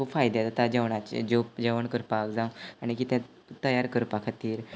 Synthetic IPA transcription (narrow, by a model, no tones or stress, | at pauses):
kʰubfajd̪ɛt̪at̪ad͡ʑəʋɳat͡ɕd͡ʑod͡ʑəʋəɳkəɾpakd͡zãwaɽ̃ikit̪ɛ̃ | t̪əjaɾkəɾpakʰat̪iːɾ